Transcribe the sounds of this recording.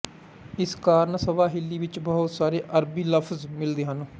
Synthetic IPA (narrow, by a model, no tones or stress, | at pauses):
ɪskaːɾnsəʋaːɦɪlːiːʋɪt͡ʃbɔːʊt̪saːɾeːʔəɾbiːləfʰzmɪld̪eːɦən